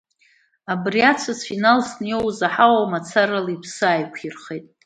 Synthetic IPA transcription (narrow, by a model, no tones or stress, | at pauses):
abriat͡sʷʰazfinalsnjowzaħawawmat͡sʰaɾalipʰsɨaːjkʷʰirχejtʼ